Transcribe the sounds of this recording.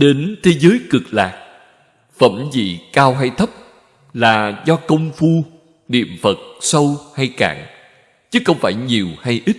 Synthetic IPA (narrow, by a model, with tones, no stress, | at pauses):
ɗe˨˦nt̪ʰe˨˦zəː˨˦jkɨ˨˩k̚laː˨˩k̚ | fə̰˧˩mzḭ˧˨kaː˧wɦa˧jt̪ʰə˦˥p̚ | laː˨˩zɔ˧kə˧wŋ͡mfu˧ | ɗḭ˧˨əmfə˨˩t̚sə˧wha˧jka̰ː˧˨ŋ | t͡ɕɨ˨˦xə˧wŋ͡mfaː˧˩jɲi˨˩əwha˧jʔi˦˥t̚